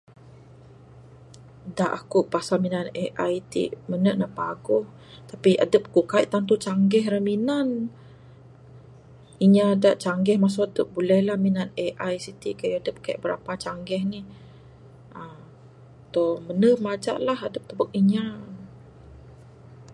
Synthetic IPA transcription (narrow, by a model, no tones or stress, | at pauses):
daʔakuʔpasalminaneʔajt̪ḭʔmənəʔnaʔpaɡʊh | t̪apiʔa̰dəp̚kukaiʔt̪ant̪ut͡ʃaŋɡɛɦɾaminan | iɲadaʔt͡ʃaŋɡɛhmas̬uadəp̚bulɛhlahminaneʔajsit̪ikajuadəp̚kaḭʔbəɾa̰pat͡ʃaŋɡɛhnih | əm | t̪omənəhmad͡ʒa̰ʔlaɦadəp̚t̪əbək̚iɲa